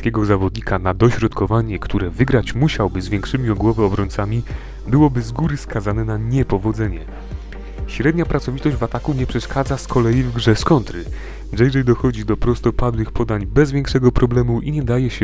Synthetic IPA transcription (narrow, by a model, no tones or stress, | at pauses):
kʲɛɡɔzavɔd̪̚ɲikanad̪ɔɕɾɔt̪kɔvaɲɛkt̪ʰuɾɛvɘɡɾat͡ɕmuɕawbɘzvʲjɛŋkʂɘmʲiɔɡwɔvɛɔbɾɔɲt̪samʲi | bɘwɔbɘzɡuɾɘskazanɛnaɲɛpɔvɔd̪zɛɲɛ | ɕɾɛd̪ɲapɾat̪sɔvʲit̪ɔʑd͡ʑvat̪akuɲɛpʂɛʂkad̪zaskʰɔlɛjivɡʐɛskɔnt̪ɾɘ | vʐɛjʐɛjd̪ɔxɔd͡ʑid̪ɔpɾɔst̪ɔpad̪wɘxpʰɔd̪aɲbɛzvʲjɛŋkʂɛɡɔpɾɔblɛmuʔiɲɛd̪ajɛɕɛ